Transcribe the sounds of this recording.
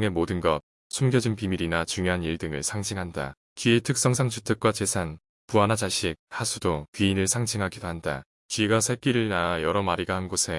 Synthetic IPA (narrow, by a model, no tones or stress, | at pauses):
ŋe̞modɯnɡʌp̚ | sʰumɡjʌd͡ʑinpimiɾinat͡ɕuŋjoɦaniɭdɯŋɯɭsʰaŋd͡ʑʰiŋɦanda̰ | t͡ɕie̞tʰɯk̚s͈ʌŋsʰaŋt͡ɕʰutʰɯk̚k͈wat͡ɕe̞sʰan | puanad͡ʑaɕʰik̚hasʰudokɥiinɯɭsʰaŋd͡ʑʰiŋɦaɡidoɦanda̰ | t͡ɕɥiɡasʰek͈iɾɯɭnaːjʌɾʌmaɾiɡahanɡosʰe̞